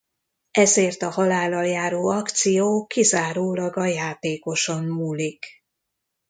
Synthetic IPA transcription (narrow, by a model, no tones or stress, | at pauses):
ɛzeːrt̪ɒhɒlaːlːɒljaːɾoːɒkt̪sijoːkizaːɾoːlɒɡɒjaːt̪eːko̞ʃommuːlik